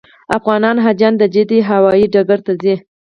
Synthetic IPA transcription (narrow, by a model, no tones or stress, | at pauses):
afɣɑnɑnɦad͡ʒɑnd̪əd͡ʒɪd̪iɦawɑjiɖaɡaɾt̪azi